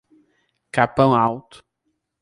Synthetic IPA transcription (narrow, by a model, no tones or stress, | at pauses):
kapɐ̃w̃awt̪ʊ̥